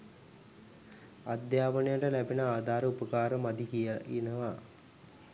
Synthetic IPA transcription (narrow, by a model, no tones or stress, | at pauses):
ad̪jaːpənejəʈəlæbinəaːd̪ʱaːɾəupəkaːɾəmad̪ikijəinəʋa